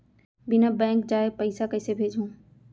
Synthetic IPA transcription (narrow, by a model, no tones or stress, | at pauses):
bɪnabɛ̃ːŋkd͡ʑaːepəɪsakəɪsebʱeːd͡ʒʱũː